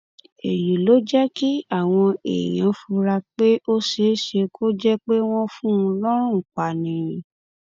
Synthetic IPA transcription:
e˨ju˨lo˨˦d͡ʒɛ˦ki˦a˦˨w̃ɔ̃˧ḛ˨j̃ã˨˦fu˧ɾa˧k͡pe˦ʔo˦ʃe˨˦ʃe˧kʰo˦d͡ʒɛ˦k͡pe˦w̃ɔ̃˦fũ˦˧lɔ˦ɾ̃ũ˦˨k͡pa˨nĩ˨˦˨

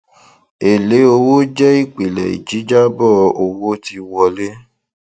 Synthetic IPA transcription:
e˨le˨˦o˧wo˦d͡ʒɛ˦i˦˨k͡pi˨lɛ̰˨ḭ˨d͡ʒi˨˦d͡ʒa˦bɔ˦˨o˧wo˦ti˧wɔ˧le˦

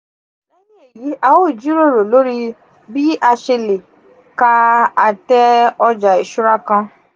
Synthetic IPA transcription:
e˦ji˦e˨ji˨˦ʔa˧wo˦˨d͡ʒi˨˦ɾo˦˨ɾo˨lo˨˦ɾi˦ | bi˦ʔa˧ʃe˧le˨ | ka˦˧a˦˨tɛ˦ɔ˧d͡ʒa˨i˨ʃu˦ɾa˦kã˧

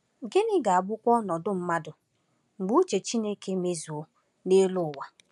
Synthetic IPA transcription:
ɡɪ˦nɪ˦ɡa˨a˨ɡ͡bʊ˦kʷɔ˦nɔ˨dʊ˦m̩˦ma˦dʊ˨ | ŋ͡m̩˨ɡ͡bu˦t͡ʃe˨t͡ʃi˦ne˦ke˦me˦zu˨o˦ | ne˦lʊ˦˨wa˨

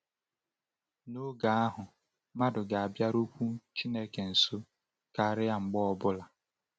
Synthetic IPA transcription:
no˦ɡa˨a˦ɦʊ˨ | ma˦dʊ˨ɡa˨a˨bja˦ɾu˦kʷu˦t͡ʃi˦ne˦ke˨n̩˨so˦ | ka˨a˦˨ɾɪ˦a˨ŋ͡m̩˨ɡ͡bɔ˦ɔ˦bʊ˦la˨

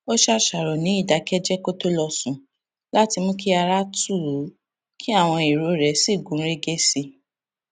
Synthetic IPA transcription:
o˦ʃa˦ʃa˨ɾɔ˨nĩ˨˦i˦˨da˨˦kɛ˦d͡ʒɛ˦ko˦to˦lɔ˧sũ˨ | la˨˦ti˧mõ˦ki˦a˧ɾa˦tu˦˨˦ | kʰi˦a˦˨w̃ɔ̃˧i˨ɾo˨˦ɾɛ˨˦si˦˨ɡũ˨˦ɾe˦ɡe˦si˧

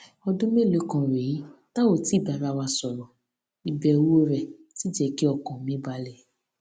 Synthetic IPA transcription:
ɔ˧dũ˦me˦˨lo˨˦kã˧ɾe˨˦ta˦o˦˨ti˦i˦˨ba˨ɾa˨˧˦wa˧sɔ˨ɾɔ̃˨ | i˨bɛ˨wo˦ɾɛ˨ti˨˦d͡ʒɛ˧ki˦ɔ˨kɔ̃˨mĩ˦ba˨˦lɛ˦˨

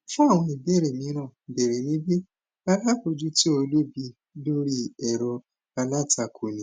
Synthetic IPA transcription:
fũ˦a˦˨w̃ɔ̃˧i˨bɛ˦˨ɾɛ˨mĩ˨˦ɾ̃ã˦˨bɛ˨ɾe˨nĩ˨˦bi˦ | a˧la˦˨ko˧d͡ʒu˦ti˦o˧lu˦bi˧ | lo˦ɾi˦ɛ˨ɾɔ˧ | a˧la˦˨ta˧˨kʰo˨nĩ˨

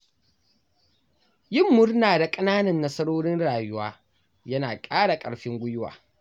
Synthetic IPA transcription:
jɪ˦˨mːʊ˦rnaː˨da˨kʼɐ˦naː˦nɐ˨nːɐ˦sɐ˦ɽoː˦ɽɪ˦nɽaː˨jʊ˦waː˦ | jɐ˦naː˨kʼaː˦ɽa˨kʼɐ̰˨ɽɸɪ˦ŋɡʷʊ˦jʊ˦wa̰ː˨

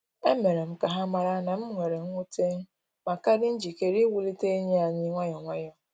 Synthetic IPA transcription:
e˦me˨ɾe˨m̩˦ka˨ɦa˦ma˨ɾa˦na˨m̩˦ŋʷe˨ɾe˨ŋ̩ʷ˦u˦te˦ŋ̩˦ | ma˨ka˦dɪ˦n̩˦d͡ʒi˨ke˨ɾi˦wu˦li˦te˦i˦ɲe˦a˨ɲɪ˦ŋʷa˦ɲɔ˨ŋʷa˦ɲɔ˨

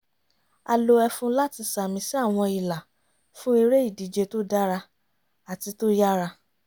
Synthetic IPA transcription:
a̰˧lo˧ɛ˧fũ˧la˦ti˧sa˨mĩ˧˦si˦a˦˨w̃ɔ̃˧i˨la˨ | fũ˦i˧ɾe˦i˦˨di˨˦d͡ʒe˧to˦da˦ɾa˧ | a˨ti˧to˦ja˦ɾa˧

